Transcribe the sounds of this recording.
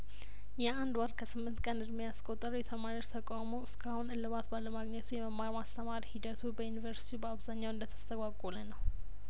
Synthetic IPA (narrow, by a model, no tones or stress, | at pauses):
jɛand̪waɾkʰəsɨmːɨnt̪kʼənɨd̪mejaskʷʼot̪ʼːəɾwjɛt̪ʰəmaɾioʃt̪ʰəkʼamoɨskʰahunɨlːɨβat̪balːəmaɡɲɛt̪ʰujɛməmaɾmast̪ʰəmaɾihid̪ət̪ʰubəjunivəɾsi̥t̪ʰibəaβzaɲːawɨnd̪ət̪ʰə̥st̪ʰəɡʷʼakʼolənəw